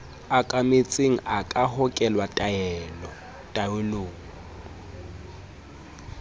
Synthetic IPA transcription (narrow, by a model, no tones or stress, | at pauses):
akʼamɪt͡sʼeŋ̩ʔakʼahɔkʼɛlwatʼaɛlɔ | tʼaeloːŋ̩